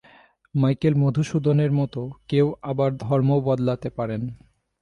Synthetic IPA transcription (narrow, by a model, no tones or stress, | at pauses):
majkelmod̪ʱuʃud̪ʱoneɾmɔt̪okewabaɾd̪ʱɔɾmobɔd̪lat̪epaɾen